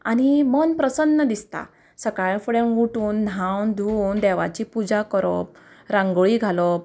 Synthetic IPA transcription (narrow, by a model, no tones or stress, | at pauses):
añimənpɾəsənːəd̪ist̪a̰ | səkaɭfuɽẽnɡuʈuːnd̪ʱãwnd̪ʱund̪ɛʋat͡ɕipud͡ʑakəɾɔ̰p̚ | ɾãŋɡɭiɡʱalɔp̚